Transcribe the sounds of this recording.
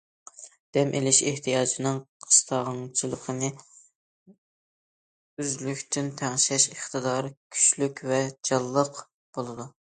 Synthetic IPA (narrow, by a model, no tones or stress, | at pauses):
d̪̥ɛmʔelɪʃeht̪ʰijɑːd͡ʒinɨŋqʰə̥st̪ʰɑʁɑŋt͡ʃʰilˠəqʰənɨ | yzlykʲt̪ʰɪnt̪ʰæŋʃɛʃəχt̪ɨd̪ɑɾkʲʰy̥ʃlykʲvɛd͡ʒɑlˠːəq | b̥olˠɨd̪u